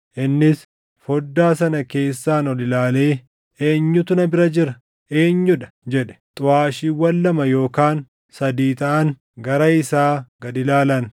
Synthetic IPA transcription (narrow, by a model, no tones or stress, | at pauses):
ʔɪnːɪs | fɔd̪ːaːs̬ɐnɐke̞ːsːaːnɔlɪlaːle̞ː | eːɲːʊt̪ʊnɐbɪɾɐd͡ʒɪɾɐ | ʔe̞ːɲːʊᶑɐ̥d͡ʒɛᶑɛ̥t̪ʼʊaːʃiːwɐlːɐmɐjo̞ːkaːn | sɐd̪iːt̪ɐʔɐn | ɡɐɾɐɪsaːɡɐd̪ɪlaːlɐn